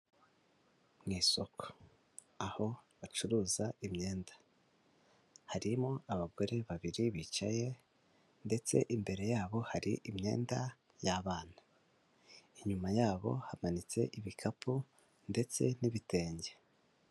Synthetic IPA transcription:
mŋiːso̞ko̥ | aho̞βat͡ʃuɾuːzaimɲe̞ːndḁ | haɾimoaβaɡo̞ɾe̞βaβiɾiβiːt͡ʃaje̞ | nde̞t͡se̞̰ʔimbe̞ɾe̞jaːβo̞haɾḭʔimɲe̞̰ːnda | jaβaːna | iɲumajaːβo̞̰hamanit͡se̞̰ʔiβikʰapu | nde̞t͡se̞niβite̞ːɲɟe

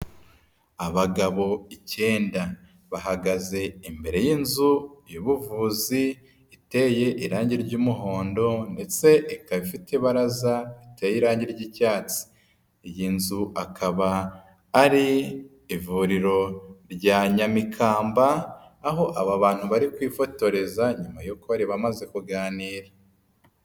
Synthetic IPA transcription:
aβaɡaβo̞ice̞ːnda | βaɦaɡaze̞imbe̞ɾe̞jiːnzujiβuvuːziː | te̞ːje̞ʔiɾaːɲɟiɾɟuːmuɦo̞ːndo̞nde̞t͡se̞ʔikaβifite̞βaɾazaitejiɾaːɲɟiɾɟicaːt͡si̥ | jinzuʔakʰaβaː | ɾi | ivuɾiɾo̞ɾɟaːɲamikʰaːmbaːɦo̞ʔaβaβaːn̥huβaɾikwiːfo̞to̞ɾe̞zaɲumajukoβaɾiβamaze̞kuɡaːniːɾa

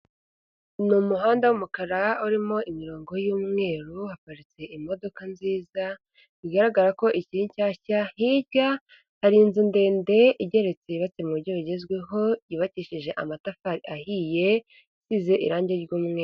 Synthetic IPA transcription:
numuɦaːndawumukaɾauɾimo̞imiɾo̞ːŋɡo̞juːmŋe̞ːɾuhapaɾit͡se̞ʔimo̞do̞kanziːza | βiɡaɾaɡaɾako̞ʔiciiɲcaːcahiɟa | haɾiːnzinde̞ːnde̞ʔiɟe̞ɾe̞t͡se̞iβat͡semuɾɟoβiɟe̞zɡwe̞ɦo̞jiβaciʃiʒe̞ʔa̰matafaɾiʔahije̞ | isize̞ʔḭɾaːɲɟeɾɟuːmŋeːɾu

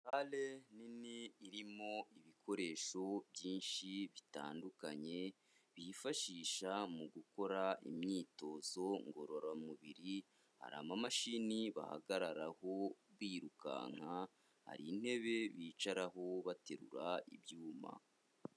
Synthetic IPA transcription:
aleniniːɾimo̞iβikʰo̞ɾe̞ːʃo̞bjiːnʃiβita̰ːndukaɲe̞ | βifaʃiːʃamuɡuko̞ɾaḭmɲiːto̞zo̞ŋɡo̞ɾoɾamuβiɾi | ha̰ɾa̰ːmamaʃiniβa̰ha̰ɡaɾaɾaho̞βwiːɾuka̰ŋ̥ha | ha̰ɾḭːn̥he̞βe̞βiːt͡ʃaɾaɦo̞βate̞ɾṵɾaḭβjuːma̰

